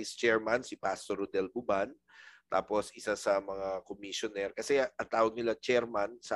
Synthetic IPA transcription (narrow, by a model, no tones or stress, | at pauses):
ist͡ʃɛɹmansɪpast̪oɾʊd̪ɛlbʊban | t̪a̰ːposʔɪsasɐmɐŋakomiʃonɛɾkɐsɛʔɐnt̪aːwɐɡ̚nɪlat͡ʃɛɾmansɐ